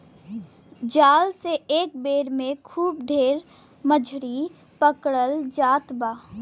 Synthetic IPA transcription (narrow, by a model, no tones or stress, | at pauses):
d͡ʒaːlseeːk̚beːɾmẽkʰuːbɖʱeːɾ | məd͡ʒʱɾi | pəkɽəld͡ʒaːt̪baː